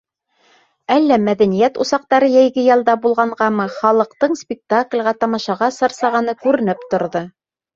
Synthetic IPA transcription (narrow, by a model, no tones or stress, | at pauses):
ælːæmæðænijæt̪usɑq̚t̪ɑɾɤjæjɡɘjɑlˠd̪ɑbulˠʁɑɴʁɑmɤχɑlˠɤ̆qt̪ɤɴspʲɪk̚t̪aklʲʁæt̪ɑmɑʃɑʁɑsɑ̆ɾsɑʁɑnɤkʉɾɘ̆nɘpt̪ŏɾðɤ